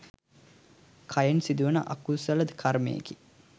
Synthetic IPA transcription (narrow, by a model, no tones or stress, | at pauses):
kʰajensid̪uʋənə̰ʔa̰kusɐlɐd̪kʰarmḛjḛki